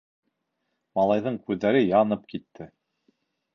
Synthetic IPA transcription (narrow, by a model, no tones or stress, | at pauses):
mɑlˠɑjðɤɴkʉðːæɾɘjɑnɤp̚kit̪ʰːɘ